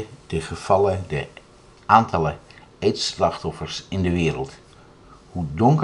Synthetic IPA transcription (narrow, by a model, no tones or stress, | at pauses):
d̥əχəv̥ɑlədə | aːntʰɑlə | ejtslɑχtɔfəɹsɪndəʋɪːɾəlˠt | hudɔŋk